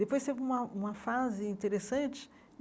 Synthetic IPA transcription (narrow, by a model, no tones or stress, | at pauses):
d̪epojst̪evɪũmɐũmɐfazɪĩnt̪eɾesɐ̃nt͡ʃɪ̥